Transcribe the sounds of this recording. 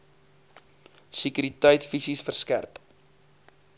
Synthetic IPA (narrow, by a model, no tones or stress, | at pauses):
sikyɾitəjtfisisfərskærp